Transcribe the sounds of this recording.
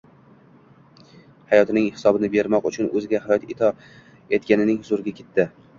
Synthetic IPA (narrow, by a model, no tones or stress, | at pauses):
hajɒt̪ʰɪnɪŋhɪ̥sɒbɪnɪbe̞ɾmɒqʊt͡ʃʰʊnɵzɪɡʲahɪɾɒt̪ɪt̪ʰɒ | e̞t̪kʲanɪnɪŋzʊɾɡʲakʲʰe̞t̪ːɪ